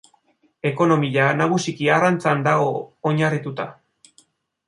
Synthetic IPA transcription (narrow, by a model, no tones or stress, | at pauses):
e̞ko̞no̞miʎanaɣ̞usikiarant͡sand̪aɣo̞ːɲarit̪ut̪a